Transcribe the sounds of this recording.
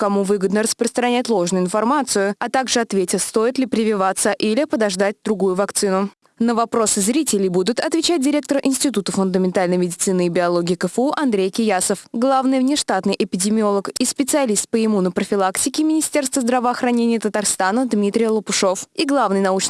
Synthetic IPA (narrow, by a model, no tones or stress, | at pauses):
kɐmuvɨɡəd̪nəɾəspɾəst̪ɾɐnʲætʲlˠo̞ʐnʊɪnfɐrmat̪sɨjʊɐt̪aɡʐɨɐt̪vʲetʲɪst̪o̞jɪt̪lʲɪpɾʲɪvʲɪvat̪sːəʔilʲɪpəd̪ɐʐd̪at̚ʲd̪ɾʊɡujʊvɐkt̪sɨnʊ | nəvɐpɾo̞sɨzɾʲitʲɪlʲɪjbud̪ʊt̪ɐt̪vʲɪt͡ɕæt̚ʲdʲɪɾʲe̞k̚t̪əɾəʔɪnʲsʲtʲɪt̪ut̪əfʊnd̪əmʲɪnt̪alʲnəjmʲɪdʲɪt̪sɨnɨːbʲɪɐlˠo̞ɡʲɪːkəfuʔɐnd̪ɾʲejkʲɪjasəfɡlˠavnɨjvnʲɪʂt̪at̪nɨjʔɪpʲɪdʲɪmʲɪo̞lˠəkispʲɪt̪sɨɐlʲist̪̚pəɪmunəpɾəfʲɪlˠaktʲɪkʲɪmʲɪnʲɪsʲtʲe̞rst̪vəzd̪ɾavəɐxɾɐnʲenʲɪjət̪ət̪arst̪anəd̪mʲit̪ɾʲɪjlˠəpʊʂo̞fiɡlˠavnɨjnɐut͡ɕ